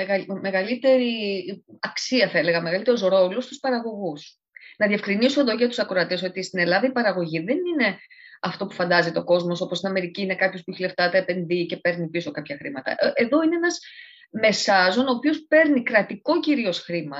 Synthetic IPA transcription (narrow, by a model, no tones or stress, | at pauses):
ɣɐme̞ɣɐlit̪e̞ɾiɐksiɐθɐele̞ɣɐme̞ɣɐlit̪eɾusɾo̞lost̪uspɐɾɐɣo̞ɣus | nɐðiefkɾinisuðoʝet̪u̥sɐkɾoɐt̪e̞so̞t̪ist̪ine̞lɐðɐipɐɾɐɣo̞ʝiðe̞nine̞ɐft̪o̞pu̥fɐnd̪ɐzit̪o̞ko̞zmo̞so̞post̪inɐme̞ɾiciːne̞kɐpçospuiçileft̪ɐt̪eːpe̞nðice̞pe̞ɾnipiso̞kɐpçɐxɾimɐt̪ɐ̰ʔʔeðo̞ineenɐz | me̞sɐzo̞no̞ːpio̞spe̞ɾnikɾɐt̪iko̞ciɾio̞sxɾimɐ